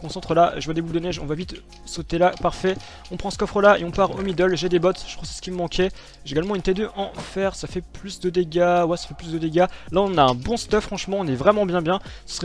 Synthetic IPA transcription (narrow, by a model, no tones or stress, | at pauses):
kɔ̃sɑ̃t̪χəlaʒəvwad̪ebuld̪ənɛʒɔ̰̃vavit̪ | sot̪elapaʁfɛ | ɔ̃pχɑ̃sə̥kɔfχəlaḛɔ̃paʁomid̪œlʒɛd̪ebɔt̪ʒ̥ə̥t̪χwassə̥kʲimmɑ̃kʲɛ | ʒeɡalmɑ̃ynt̪ed̪øʔɑ̃fɛʁsafɛplysd̪əd̪eɡawasḁfɛplysd̪əd̪eɡalaɔ̃naɛ̃bɔ̃st̪œfχɑ̃ʃmɑ̃ɔ̃nɛvʁɛmɑ̃bjɛ̃bjɛ̃ | sə̥sə̥ʁɛ